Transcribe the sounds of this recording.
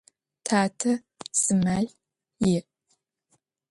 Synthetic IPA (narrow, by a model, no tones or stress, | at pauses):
tʰaːtʰɐ | sɨmaːɮ | jɪʔ